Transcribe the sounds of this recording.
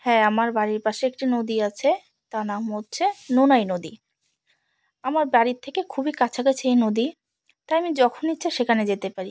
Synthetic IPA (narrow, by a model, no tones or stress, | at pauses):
hɛamaɾbaɾiɾpaʃeek̚ʈinod̪iat͡ɕʰe | t̪anamɦotːɕʰenonajnod̪i | amaɾbaɾit̪ʰekekʰubikat͡ɕʰaɡet͡ɕʰeenod̪i | t̪ajamid͡ʑɔkʰonitːɕʰaʃekʰaned͡ʑet̪epaɾi